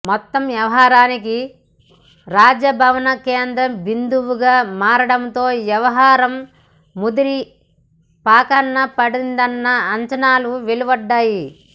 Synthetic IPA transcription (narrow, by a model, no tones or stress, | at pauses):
mɔt̪ːɐmʋjɐʋɐɦaːɾaːniki | ɾaːd͡ʒɐbʱɐʋɐnɐkeːnd̪ɾɐmbind̪uʋuɡaːmaːɾɐɽɐnt̪o̞ːʋjɐʋɐɦaːɾɐmː | ud̪iɾi | paːkɐnːɐpɐɽind̪ɐnːɐːɲt͡ʃɐnaːluʋeluʋɐɖːaːji